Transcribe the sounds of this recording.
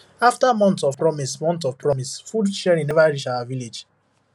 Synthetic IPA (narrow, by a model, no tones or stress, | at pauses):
aftamɔ̃ntɔv̥pɹɔmismɔ̃ntɔv̥pɹɔmisfudʃɛɹĩnɛvaɹiʃawaviled͡ʒ